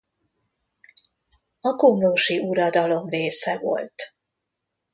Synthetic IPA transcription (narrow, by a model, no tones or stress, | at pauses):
ɒkomloʃiʔuɾɒd̪ɒlo̞mreːsɛvo̞̰lt̪